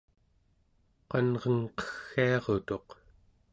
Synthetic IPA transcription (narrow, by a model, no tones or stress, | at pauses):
qɑnʁəŋqʌ̥xːiɑʁot̪o̞q